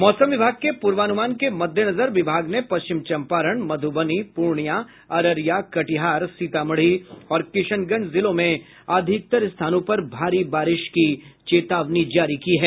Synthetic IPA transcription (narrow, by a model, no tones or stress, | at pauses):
mɔːsə̃mʋɪbʱaːɡ̚kepuːɾʋaːnʊmaːnkemɐd̪ʱjənɐzəɾʋɪbʱaːɡnepɐst͡ʃɪmt͡ʃɐ̃mpaːɾəɽ̃mɐd̪ʱʊbənipuɾɳja | ɐɾəɾjakɐʈɪɦaːɾsiːt̪aməɽ̤iɔːɾkɪʃənɡənzɪlõmẽ | aːd̪ʱɪk̚t̪əɾst̪ʰaːnõpɐɾbʱaːɾibaːɾɪʃkit͡ʃeːt̪aːʋnid͡ʒaːɾikiɦɛː